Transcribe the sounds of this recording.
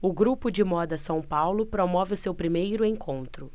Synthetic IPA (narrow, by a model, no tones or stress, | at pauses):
ʊɡɾupʊd͡ʒɪmɔd̪ɐsɐ̃w̃pawlʊpɾomɔvɪʊsewpɾimejɾʊẽkʰõnt̪ɾʊ